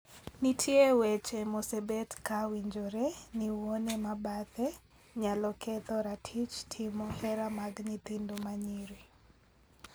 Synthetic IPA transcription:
nitʰjewɛt͡ʃemosɛbɛtkawiɲd͡ʒoɾeniwonemabat̪ɛ | ɲalɔkʰɛt̪ɔɾatʰit͡ʃtʰimɔhɛɾamaɡɲit̪indomaɲiɾi

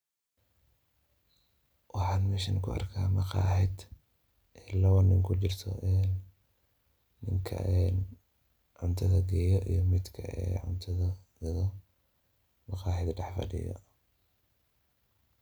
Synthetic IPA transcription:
wɑħɑːnmɛːʃɐŋkʰʊɐ̰rkʰaːmɑqɑːħɪd̪ | ʔɛlɐwɐnːɪŋkʰʊt͡ʃɪrt̪ʰɔ̰ʔɛːn | ɪŋkʰɐ̰ʔɛːn | ʕʊnt̪ʰɐðɐɡɛjɔʔijɔmɪd̪kʰɐɛ̰ːʕʊnt̪ʰɐðɐðɐ | mɐqɑːħɪd̪ɖɑħfɐ̰ɖɪ̰jɔ̰

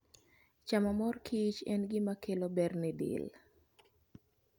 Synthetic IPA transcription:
t͡ʃamamɔrkʰit͡ʃɛ̰nɡɪmakʰelobɛrnɪdɪ̰l

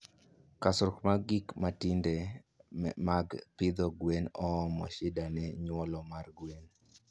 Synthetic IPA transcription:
kasʊɾkmaɡikmatinde | maɡpɪd̪ɔɡwenɔmɔ̰ʃɪdanɛɲwɔlɔmarɡwen

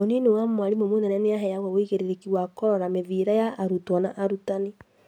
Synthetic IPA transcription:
onenowammwaɾimomonɛnaneaɦɛjaɣɔwoiɣeɾeɾekiwakɔɾɔɾameviɾajaʔːɾutwɔnaʔaɾutane

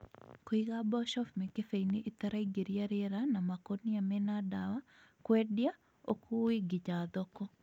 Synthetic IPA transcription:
kwiɣabɔʃɔfmekefeineʔit̪aɾaiɡeɾjaɾeɾanamakoniamɛnadawa | kwɛdja | okuwiɡɪd͡ʒad̪ɔkɔ

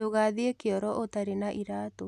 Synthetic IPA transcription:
oɣaðeekeɔɾɔʔotaɾenaʔiɾaːto

